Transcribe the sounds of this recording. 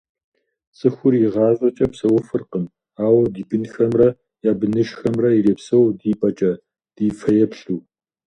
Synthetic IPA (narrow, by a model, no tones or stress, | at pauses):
sʼɨxʷʊrjɪʁɑːʑʷʼɐt͡ʃʼɐpsɐwɐfɨrqəm | aːwɐdiːbɨnxɐmrɐ | jaːbɨnɨʃxɐmrɐireːpsɐwdiːpʼɐt͡ʃʼɐ | d̥iːfʰɐjɛpɬuː